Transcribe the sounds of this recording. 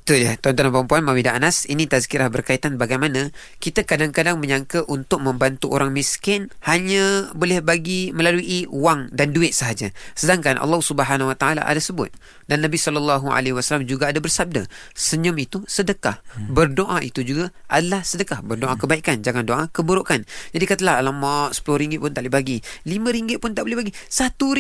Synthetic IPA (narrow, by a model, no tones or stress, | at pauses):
t̪uljat̪ɔnt̪ɔnanpampuanmamidaʔanasinit̪azkiɾahbərkait̪anbaɡajmanã | kit̪akadaŋkadaŋməɲaŋkaʔunt̪ʊk̚məmbant̪uʔo̰ɾaŋmiskɪnhaɲabolɛhbaɡiməlaluʔiuwaŋdanduɪt̪̚səɦad͡ʒasədaŋkanʔɑ̰lːɑhsubəɦanahwat̪aala̰ʔa̰dasəbʊ̰t̪̚ | danːabisɔləlːaɦua̰leɦiwasalamd͡ʒuɡaːdabərsab̚da | səɲʊmit̪usədəkahbərdoʔaʔit̪ud͡ʒuɡaʔadalahsədəkahbərdoʔakəbaikand͡ʒaŋandoʔakəbəɾoʔkand͡ʒadikat̪əlahalamasə̥pulʊhɾiŋɡɪt̪̚pʊnt̪aʔlibaɡilimə̃ɾiŋɡɪt̪̚pʊnt̪aʔbolɛhbaɡisat̪u